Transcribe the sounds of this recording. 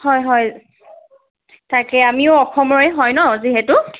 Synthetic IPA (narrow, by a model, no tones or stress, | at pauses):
hɔjɦɔj | takɛamiʊɔxʰɔmɔɹɛɦɔjnɔziɦɛtʊ